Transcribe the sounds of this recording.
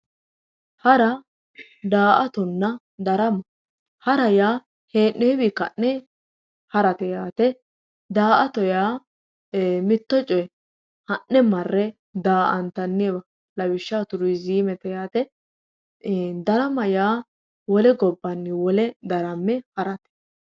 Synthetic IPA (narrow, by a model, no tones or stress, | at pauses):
hɐɾɐ | d̪aːʔɐt̪ɔnːɐ | d̪ɐɾɐmɐ | hɐɾɐjaː | heːʔːeːbikɐʔnɛ | hɐɾɐt̪ɛjaːt̪ɛ | d̪aːʔɐt̪ɔjaː | mɪt̪ːɔt͡ʃʼɔjɛ | hɐʔːɛmɐrːɛ | d̪aːʔɐnt̪ɐnːebɐ | lɐwɪʃːaːt̪ʊɾʊjziːmɛt̪ɛjaːt̪ɛ | d̪ɐɾɐmɐjaː | wɔlɛɡɔbːɐnːɪwɔlɛd̪ɐɾɐmːɛhɐɾɐt̪ɛ̥